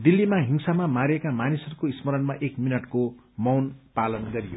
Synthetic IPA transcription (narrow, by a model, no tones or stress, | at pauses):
d̪ilːimaɦiŋsamamaɾekamanisʌrukoismʌɾʌnmaʔekminʌʈko | mʌwnpalʌnɡʌɾijo̰